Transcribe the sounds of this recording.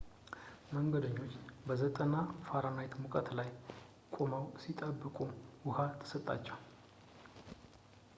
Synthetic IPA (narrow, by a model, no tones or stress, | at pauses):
məŋɡəd̪əɲːo̞t͡ʃːbəzət̪ʼənafaɾanajt̪mukʼət̪laj | kʷʼoməwsit̪ʼəbːɨkʼuwʊhat̪ʰːɨ̥sət̪ʼːa̰t͡ʃːɛw